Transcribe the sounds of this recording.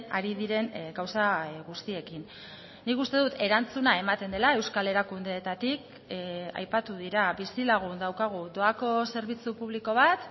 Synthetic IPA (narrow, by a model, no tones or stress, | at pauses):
aɾiðiɾe̞nɡawsaɣust̪ie̞kinː | ikust̪e̞ðut̪e̞ɾant͡sunae̞mat̪e̞nd̪e̞lae̞wskale̞ɾakund̪e̞ːt̪at̪ik | a̰jpat̪uð̞iɾaβisilaɣ̞und̪awkaɣ̞ud̪o̞ako̞se̞ɾβ̞it͡supuβ̞liko̞β̞at̪